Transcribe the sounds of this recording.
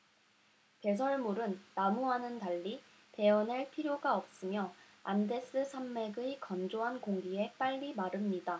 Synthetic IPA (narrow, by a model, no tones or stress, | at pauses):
pe̞s̬ʰʌɭmuɾɯnːamuɦanɯntaʎːi | pe̞ʌneɭpʰiɾjoɡaʌp̚s͈ɯmjʌ | a̰nde̞s͈ɯsʰamːe̞ɡɯikʌnd͡ʑoɦankoŋɡie̞p͈aʎːimaɾɯmɲida